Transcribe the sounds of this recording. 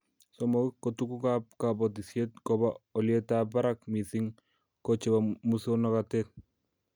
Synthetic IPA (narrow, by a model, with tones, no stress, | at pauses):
sɔ˨mɔ˨ki˦kːo˨tu˦ku˦ka˦p̚ka˨bɔ˨t̬i˨sje˦t̚kɔ˨ba˦ɔ˨lje˦ta˦ba˦ɾa˦kmi˨θi˦ŋ | kɔ˨t͡ʃe˨ba˨mu˦so˦nɔ˦ka˨te˦t̚